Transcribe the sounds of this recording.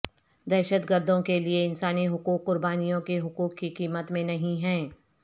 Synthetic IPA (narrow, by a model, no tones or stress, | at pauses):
d̪ɛːʃəd̪ɡəɾd̪ʱõkelieɪnsaːniɦʊkuːkːʊɾbaːnijõkeɦʊkuːkːikiːmət̪mẽnɐɦĩɦɛ̃ː